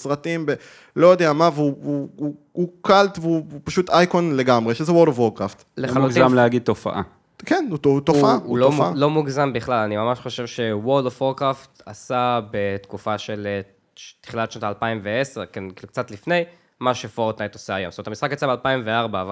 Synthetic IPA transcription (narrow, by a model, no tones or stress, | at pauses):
sʁat̪imbe | lo̞jod̪eamaveuuu | ukaltveupaʃut̪ajkonle̞ɡamʁe̞ʃezewoʁdovwoʁkʁaft̪lealutzamleaɡid̚tofa̰ʔa̰ | kenuot̪ofaʔauloofaalo̞muɡzambiχlalanimamaʃχo̞ʃe̞vʃe̞woʁdovoʁkʁaft̪asabet̪kufaʃele | ti̥χilatʃnot̪aːlpaimveesekenkiluk̚t͡sat̪lifne̞j | maʃefoʁt̪najt̪oseajomsot̪amisχakjat͡sabealpaimveaʁbaːva